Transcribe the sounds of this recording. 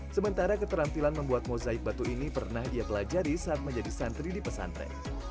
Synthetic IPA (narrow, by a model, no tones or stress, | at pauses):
səmənt̪aɾakət̪əɾampilanməmbuat̪̚mozaɪk̚bat̪uinipərnahdiapəlad͡ʒaɾisəat̪̚məɲd͡ʒadisant̪ɾidipəsa̰nt̪ɾɛ̰